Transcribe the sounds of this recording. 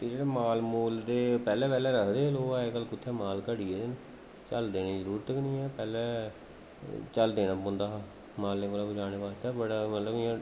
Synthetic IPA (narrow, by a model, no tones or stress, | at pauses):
t̪eːd͡ʒeːɽeːmaːlmuːld̪eːpɛːlɛ̃ːpɛːlɛːɾəkʰd̪eːloːɛːkəlkʊt̪ʰːɛːmaːlkəɽiːɛːd̪ɪn | t͡ʃəld̪eːneːzəɾuːɾt̪əknĩːɛːpɛːlɛː | t͡ʃəld̪eːnãːpõːnd̪aː | maːlːẽːkoːlaːbəd͡ʒaːñeːʋaːst̪ɛːbəɽmət̪ləbɪãː